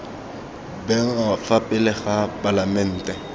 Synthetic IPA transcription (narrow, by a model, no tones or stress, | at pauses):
bɛŋ̩afapʼɪlɪχapʼalamɛn̩ːtʼɛ